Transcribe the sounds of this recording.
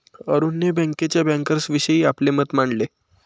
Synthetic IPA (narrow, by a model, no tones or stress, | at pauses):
əɾuːnːebə̃ŋket͡ɕjabɛ̃ŋkəɾsʋiɕəiːaplemət̪maɳle